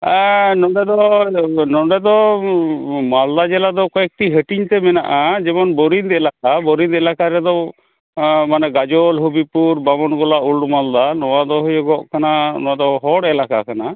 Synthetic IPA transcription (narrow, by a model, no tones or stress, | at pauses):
nɔɖɛd̪ɔnɔɖɛd̪ɔ | mald̪ad͡ʒɛlad̪ɔkɔɛk̚ʈiɦəʈiɲt̪ɛmɛna̰ʔad͡ʒɛmɔnbɔɾid̪ɛlak̚abɔɾind̪ɛlakaɾɛd̪ɔ | manɛɡad͡ʒɔlɦubipuɾbamɔnɡɔlaulɖmald̪anɔwad̪ɔɦujɛɡɔʔkananɔad̪ɔɦɔɽɛlaka̰kana